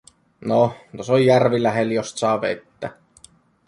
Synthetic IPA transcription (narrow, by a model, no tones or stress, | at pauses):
not̪osojjærʋilæɦeljost̪sɑːʋḛt̪ːæ̰